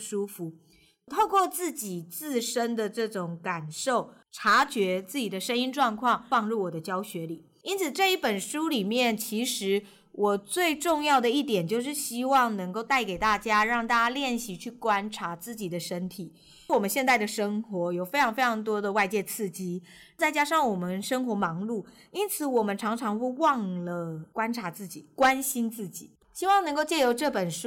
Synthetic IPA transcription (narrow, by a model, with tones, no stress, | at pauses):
ʂu˥fu˨˩ | t̪ʰo˥˧ʊkwɔ˥˧t͡sɹ̩˥˩t͡ɕi˨˩t͡sɹ̩˥˩ʂə˥nd̪ə˨ʈ͡ʂɤ˥˩ʈ͡ʂʊ˨˩ŋka˨˩nʂo˥˩ʊ | ʈ͡ʂʰa˧˥t͡ɕɥɛ˧˥t͡sɹ̩˥˩t͡ɕi˨˩d̪ə˦ʂə˥ni˥nʈ͡ʂwɑ˥˧ŋkʰwɑ˥˩ŋfɑ˥˧ŋɻu˥˩wɔ˨˩d̪ə˦t͡ɕjɑ˥ʊɕɥɛ˧˥li˨˩˦ | i˥nt͡sʰɹ̩˨˩ʈ͡ʂɤ˥˧i˥˩pə˨˩nʂu˥li˨˩mjɛ˥˩nt͡ɕʰi˧˥ʂɻ̩˧˥ | wʔɔ˨˩t͡swe˥˧ɪʈ͡ʂʊ˥˧ŋjɑ˥˩ʊd̪ə˩i˥˩t̪̬jɛ˨˩nt͡ɕjo˥˧ʊʂ̬ɻ̩˥˩ɕi˥wɑ˥˩ŋnɤ˧˥ŋko˥˧ʊt̪a˥˩ɪke˨˩ɪt̪a˥˩t͡ɕja˥ɻɑ˥˩ŋt̪a˥˧t͡ɕa˥ljɛ˥˩nɕi˧˥t͡ɕʰy˥˩kwa˥nʈ͡ʂʰa˧˥t͡sɹ̩˥˩t͡ɕi˨˩d̪ə˦ʂə˥nt̪ʰi˨˩˦ | wɔ˨˩mə˦nɕjɛ˥˧nt̪a˥˩ɪd̪ə˩ʂɤ˥ŋxwɔ˧˥jo˨˩ʊfe˥ɪɑ˧˥ŋfe˥ɪɑ˧˥ŋt̪̬wɔ˥d̪ə˨wa˥˧ɪt͡ɕjɛ˥˧t͡sʰɹ̩˥˩t͡ɕi˥ | t͡sa˥˩ɪt͡ɕja˥ʂɑ˥˩ŋwɔ˨˩mə˦nʂə˥ŋxwɔ˧˥mɑ˧˥ŋlu˥˩ | i˥nt͡sʰɹ̩˧˥˦wɔ˨˩mə˦nʈ͡ʂʰɑ˧˥ŋʈ͡ʂʰɑ˧˥ŋxwe˥˧ɪwɑ˥˩˧ŋlə˩kwa˥nʈ͡ʂʰa˧˥t͡sɹ̩˥˩t͡ɕi˨˩kwa˥nɕi˥nt͡sɹ̩˥˩t͡ɕi˨˩˦ | ɕi˥wɑ˥˩ŋnə˧˥ŋko˥˧ʊt͡ɕjɛ˥˩jo˧˥ʊʈ͡ʂɤ˥˩pə˨˩nʂu˥